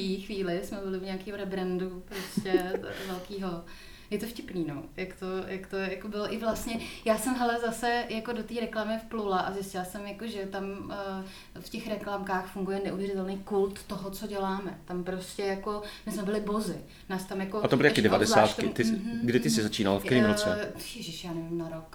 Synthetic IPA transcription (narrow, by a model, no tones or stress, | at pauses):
ixʋiːlɪsmɛbɪlɪvɲaakiːɦoɾɛbɾɛndupɾoscɛvɛlkiːɦo̞ | jɛt̪o̞fcɪpniːnojakt̪ojakt̪ojakobɪloʔɪvlast̪ɲɛjaːsɛmɦɛlɛzasɛjako̞dot̪iːɾɛklamɪfplulaʔazɪscɪlasɛmjakoʒɛt̪am | fcɛxɾɛklamkaːxfuŋɡujɛnɛʔuvjɛrɪt̪ɛlnejkult̪ːoɦot͡so̞ɟɛlaːmɛt̪ampɾo̞scɛjako̞mɪsmɛbɪlɪbo̞zɪ | naːst̪amjakoat̪obɪlɪjakɪdɛvadɛszlaaːt̪k̪ɪt̪ɪsɡdɪt̪ɪsɪzat͡ʃiːna̰lfkt̪ɛɾiːmot͡sɛɛʒɪʃjaːnɛvɪmnaɾok